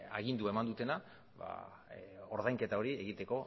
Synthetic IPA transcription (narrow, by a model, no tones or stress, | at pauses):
a̰ɣind̪uae̞mand̪ut̪e̞na | βa̰ | o̞ɾðajŋke̞t̪ao̞ɾie̞ɣit̪e̞ko̞